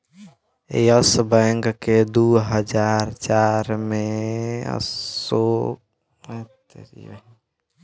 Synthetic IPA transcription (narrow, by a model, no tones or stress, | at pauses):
ejəsbə̃ŋɡked̪uɦəd͡ʒaɾt͡ʃaɾmẽə̰so | t̪ɾḭ